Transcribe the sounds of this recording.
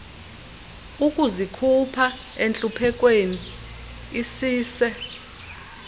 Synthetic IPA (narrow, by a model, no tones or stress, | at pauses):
ukʼuzikʰupʰa | ent͡ɬʼupʰɛkʼweniː | siːsɛ